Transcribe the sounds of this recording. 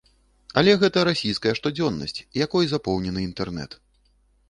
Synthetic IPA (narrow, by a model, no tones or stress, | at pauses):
ɐlʲɛɣɛt̪ɐɾasʲijskɐjɐʂt̪ɔd͡zʲɔnːɐ̰sʲt͡sʲjakɔjzapɔwnʲɛnɨint̪ɛrnɛ̰t̪